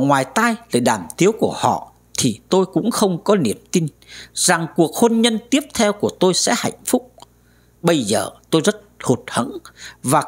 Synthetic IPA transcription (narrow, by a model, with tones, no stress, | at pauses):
ŋwaː˨˩jt̪aː˧jlə̰ː˧˨jɗaː˧˩mt̪i˨˦əwku˧˩əhɔ̰˧˨ | t̪ʰi˨˩t̪o˧jkʊ̰˧˥ŋ͡mxə˧wŋ͡mkɔ˨˦ni˧˨˩əmt̪i˧n | za˨˩ŋku˨˩ək̚hə˧nɲə˧nt̪i˦˥əp̚t̪ʰɛ˧wku˧˩ət̪o˧jsɛ̰˧˥ha̰˧˨jŋ̟fʊ˦˥k͡p̚ | ɓə˧jzə̰ː˨˩t̪o˧jzə˦˥t̚ho˨˩t̚hə̰˧˥nvaː˨˩